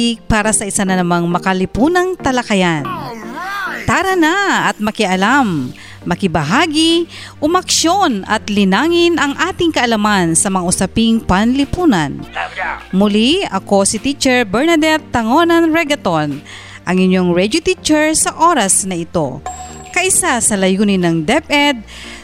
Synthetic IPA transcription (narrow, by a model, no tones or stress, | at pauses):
ipaːɾɐsɐʔɪsanɐnɐmaŋmɐkɐlɪpuːnɐŋt̪ɐlɐkɐjan | t̪aɾɐnaɐt̪̚mɐkɪʔɐlamː | ɐkɪbɐɦaːɡi | ʔʊmɐkʃonɐ̰t̪lɪnaːŋɪnʔɐŋʔaːt̪ɪŋkɐʔɐlɐmansɐmɐŋaʔʊsɐpiŋpɐnlɪpuːnɐn | mʊliɐko̞sɪt̪it͡ʃɛɹbɛɹnɐd̪ɛt̪ːɐŋo̞nɐnɹɛɡɐt̪on | ʔɐŋɪɲːo̞ŋɹɛd̪jot̪it͡ʃɛɹsɐʔo̞ɾɐsnɐɪt̪o̞̰ | kɐʔɪsasɐlɐjuːnɪnɐŋd̪ɛpʔɛd̪̚